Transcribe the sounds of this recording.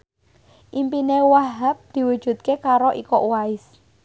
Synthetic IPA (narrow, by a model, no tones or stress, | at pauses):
ʔimpinewaɦap̚d̪̥i̤wud̥ʒ̥ṳt̪̚kekaɾoʔikɔʔwaɪs